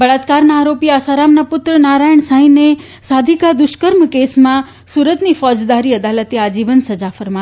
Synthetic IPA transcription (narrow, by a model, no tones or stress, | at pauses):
bəɭat̪kaɾnaːɾopiaːsaɾamnapʊt̪ɾənaːɾajəɳ̃saĩne | saːd̪ʱikad̪ʊʃkəɾmkesmã | suːɾət̪nifɔːd͡ʒd̪aɾiəd̪alət̪ead͡ʒiʋənsəd͡ʒafəɾma